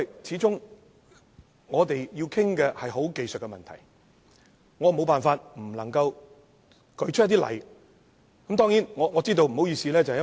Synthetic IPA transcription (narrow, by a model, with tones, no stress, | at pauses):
jt͡sʰiː˨˥t͡sʊ˥ŋ | ŋɔː˨˧t̪e˨jji˧wkʰɪ˥ŋkɛː˧hɐ˨jɦo˨˥wke˨jst̚kɛ˧mɐ˨nt̪ʰɐ̰˨˩j | ŋɔː˨˧m˨o˨˧wpaː˨nfaː˧t̚m̩˨˩lɐ˨˩ŋkɐ˧w | kɵ˨˧˥t͡ʃ̚ʰjɐ˥t̪̬iː˥lɐ̰˨˩j | kɐ˨˦mt̪ɔː˥ŋjiː˨˥nŋɔː˨˧ŋɔː˨˧t͡siː˥t̪̬o˧wm̩˨˩o˨˥wjyː˨˩siː˨lɛː˥t͡sɐ˨hj